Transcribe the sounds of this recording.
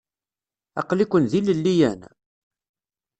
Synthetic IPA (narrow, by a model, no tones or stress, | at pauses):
ɑ̰qlikʷːənðiləlːijæ̰n